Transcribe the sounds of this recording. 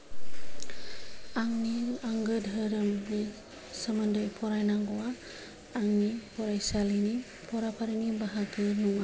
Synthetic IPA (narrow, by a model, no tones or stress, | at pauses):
aŋniaŋɡədɦəɾəmni | səməndəjpʰɔɾajnaŋɡoaː | ŋnipɔɾajsalini | pʰɔɾapaɾinibaɦakʰɯnuŋa